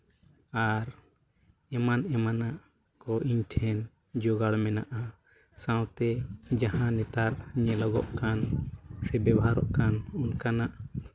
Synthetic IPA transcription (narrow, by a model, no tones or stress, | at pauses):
aɾ | ɛmanɛmanaʔ | kɔʔiɲʈʰɛn | d͡ʒɔɡaɽmɛnaʔa | sãwt̪ɛd͡ʒahãnɛt̪aɾɲɛlɔɡɔʔkansɛbɛbɦaɾɔʔkanunkanaʔ